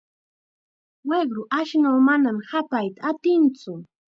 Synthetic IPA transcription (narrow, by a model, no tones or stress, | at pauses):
weɢɾʊʔaʃnawmanamhapajt̪aːt̪ɪnt͡sʊ